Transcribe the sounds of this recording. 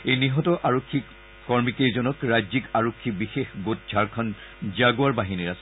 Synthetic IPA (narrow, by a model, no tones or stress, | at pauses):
ejniɦɔtɔʔaɹokʰːikː | ɔɹmikezɔnɔkɹazikaɹokʰːibixexbot̚d͡ʒʱaɹkʰɔn | zaɡoaɹbaɦiniɹasɛ